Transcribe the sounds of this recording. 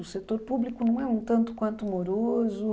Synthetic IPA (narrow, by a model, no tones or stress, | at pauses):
ʊset̪oɾpublikʊnɐ̃w̃ɛũt̪ɐ̃nt̪ʊ̥kwɐ̃nt̪umoɾozʊ